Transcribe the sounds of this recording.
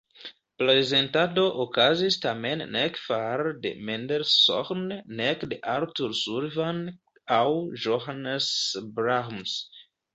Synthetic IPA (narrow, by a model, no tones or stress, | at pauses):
pɾeze̞ntado̞ʔokazistamenːekfaɾdḛmendeɾso̰χnːekdeʔaɾtuɾsuɾvan | awʒoɦanesbɾams